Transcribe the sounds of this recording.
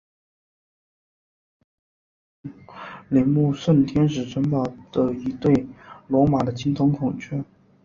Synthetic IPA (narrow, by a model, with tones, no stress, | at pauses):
lɛ˧˥nmu˥˧ʂə˥˩nt̪ʰjɛ˥nʂɻ̩˨˩ʈ͡ʂʰə˧˥npɑ˨˩ʊd̪̥ə˦i˧˥t̪we˥˩ɪlwɔ˧˥ma˨˩d̪ə˦t͡ɕʰi˧˥ŋt̪ʰʊ˧˥ŋkʰʊ˨˩ŋt͡ɕʰɛ˥˩